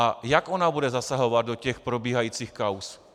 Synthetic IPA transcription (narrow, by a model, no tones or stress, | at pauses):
ajakʔonabudɛzasaɦovad̪̚docɛxpɾobiːɦajiːt͡siːxkaws